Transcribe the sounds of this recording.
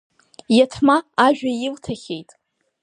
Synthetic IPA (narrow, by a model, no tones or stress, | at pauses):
jatʰmaːʒᶣajɪltʰaχʲejtʼ